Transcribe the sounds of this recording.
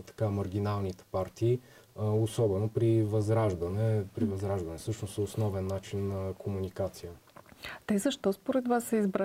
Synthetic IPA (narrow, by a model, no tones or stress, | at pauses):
t̪ɐ̥kamɐɾɡ̟inalˠnit̪ɛ̥paɾt̪iː | osɔbɛnopɾivɐzɾaʒd̪ənɛpɾivɐzɾaʒd̪ɐnɛsɤʃnosɛosnɔvɛnːat͡ʃinːɐkʰomunikat̪sijət̪ɛzəʃt̪ɔspoɾɛt̪vasːɛizbɾa